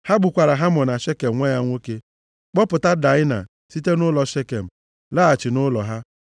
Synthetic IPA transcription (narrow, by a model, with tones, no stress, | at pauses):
ha˦ɡ͡bʊ˨kʷa˨ɾa˨ɦa˦mɔ˨na˨ʃe˦ke˨m̩˨ŋʷa˦ja˦ŋʷo˦ke˦ | k͡pɔ˦pʊ˨ta˦da˨˦ɪ˦na̰˨ | si˦te˦nʊ˦lɔ˨ʃe˦ke˨m̩˨ | laː˦a˨t͡ʃɪ˨nʊ˦lɔ˨ɦa˦